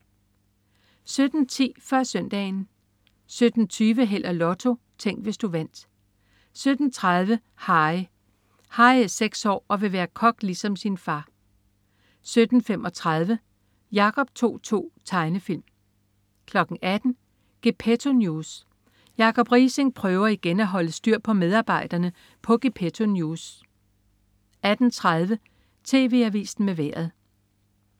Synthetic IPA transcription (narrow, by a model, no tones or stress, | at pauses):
sød̥n̩t͡sʰḭːfɶɐ̰sœn̰d̥ɛ̰ɪn | sød̥n̩t͡sʰyːʋəɦel̰ɐlɒ̽t͡sʰo̝ | t͡sʰeŋ̰ɡ̥ʋe̝sd̥uʋæn̰d̥ | sød̥n̩t͡sʰʁað̞ˠʋə | hɑ̈ɪ | hɑ̈ɪæseɡ̥sɒ̰ːɒ̽ʋe̝ʋæːɐkʰɒ̽ɡ̥lisɒ̽msinfɑ̈ː | sød̥n̩fem̰ʔɒ̽t͡sʰʁaðˠʋə | jɑ̈kʰɒ̽b̥̚t͡sʰo̝̰ːt͡sʰo̝̰ːt͡sʰɑ̈ɪnəfil̰m | kʰlɒ̽ɡ̥n̩ʔæd̥n̩ | ɡ̥epʰet͡sʰo̝njus | jɑ̈kʰɒ̽b̥ʁiːseŋpʰʁœːʊɐiɡ̥enæɦɒ̽ləsd̥yɐ̰pʰɒ̽með̞ˠɑ̈ːb̥ɑ̈ɪ̰d̥ɐnə | pʰɒ̽ɡ̥e̝pʰet͡sʰo̝njuːs | æd̥n̩t͡sʰʁaðˠʋə | t͡sʰe̝̰ːʋe̝̰ːæʋḭːsn̩meʋæ̰ɐ̰ð̞̩ˠ